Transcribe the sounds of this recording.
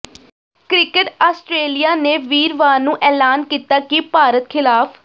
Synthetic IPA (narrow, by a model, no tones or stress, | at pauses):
kɾɪkəʈaːsʈɾeːlijaːneːʋiːɾʋaːnũːʔɛːlaːnkiːt̪aːkipaːɾət̪kʰɪlaːpʰ